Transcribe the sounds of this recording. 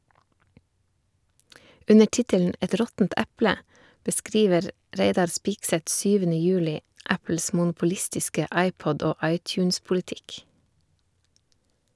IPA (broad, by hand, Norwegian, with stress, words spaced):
ˈʉnə ˈʈɪtəln̩ ˈɛt ˈɾɔtn̩t ˈʔɛplə bəˈskɾiːʋəɾ ˈɾeɪdɑɾ ˈspɪksɛt ˈsyːʋənə ˈjʉːlɪ ˈæpl̩s mʊnpʊˈlɪstɪskə ˈʔɑɪˌpɔd ˈoː ˈɑɪtˌçʉːnspʊlɪˌtɪk